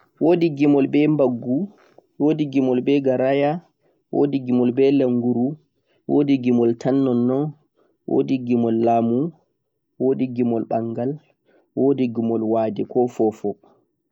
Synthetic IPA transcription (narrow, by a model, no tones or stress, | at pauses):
woːdiɡimɔlbɛmbaɡːu | wodiɡimɔlbɛɡaɾaja | wʔo̰diɡimɔlbɛlɛŋɡuɾu | wo̰diɡimɔltʰanːɔnːɔn | wo̰diɡimɔlːaːmu | woːdiɡimɔlɓaŋɡal | woːdiɡimɔlwaːdɛkɔfɔfɔ